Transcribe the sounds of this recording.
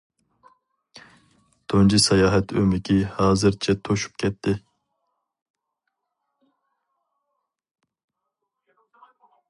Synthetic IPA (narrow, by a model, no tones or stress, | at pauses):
t̪ʰond͡ʒisɑjɑːɦɛt̪ʰømɪkʲʰihɑːzɨɾt͡ʃʰɛt̪ʰoʃu̥p̚kʲʰɛt̪ʰːɪ